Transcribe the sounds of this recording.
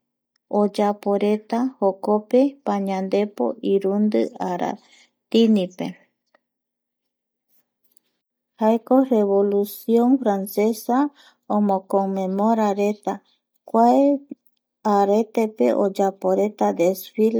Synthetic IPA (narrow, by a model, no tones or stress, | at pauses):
od͡ʒapoɾe̞t̪ahokope̞paɲãnd̪e̞po̰ʔiɾund̪ɨaɾa̰ | t̪inipe | haekoreβolusjõnfɾanse̞sa | õmõkomẽmoɾaɾe̞t̪a | kʷae | aɾet̪epe̞̰ʔod͡ʒapoɾe̞t̪ad̪esfil